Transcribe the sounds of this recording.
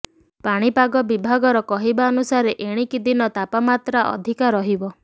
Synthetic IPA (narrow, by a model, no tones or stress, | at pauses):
paɽ̃ipaɡɔbibʱaɡɔɾɔkɔɦibaɔnusaɾeʔeɽ̃ikid̪inɔt̪apamat̪ɾaʔɔ̰d̪ʱikaɾɔɦibɔ